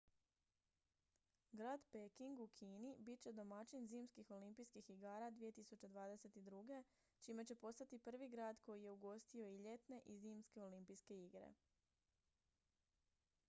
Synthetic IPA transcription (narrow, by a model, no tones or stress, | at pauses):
ɡɾaːd̪pekiŋɡukʰiːnibit̪̚t͡ɕe̞d̪o̞mat͡ʃinziːmskixo̞limpijskixiɡaːɾad̪ʋije̞t̪isut͡ɕe̞d̪ʋaːd̪e̞se̞t̪id̪ɾuɡe̞ | t͡ʃime̞t͡ɕe̞po̞st̪at̪ipr̩ʋiɡɾaːd̪ko̞jije̞uɡo̞st̪io̞iʎe̞t̪ne̞ʔiziːmske̞o̞limpijske̞iɡɾḛ